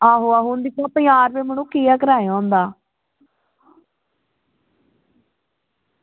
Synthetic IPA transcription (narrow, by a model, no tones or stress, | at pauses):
ãːɦoaːɦʊnd̪iːt̪ãːpĩaːɾʋeːmənũːkiːaːkəɾaːeãːnd̪aː